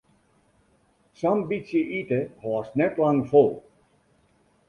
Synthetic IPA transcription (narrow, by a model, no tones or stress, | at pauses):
sɔmbitsjəʔitəhɑːsnɛtlɑŋfolˠ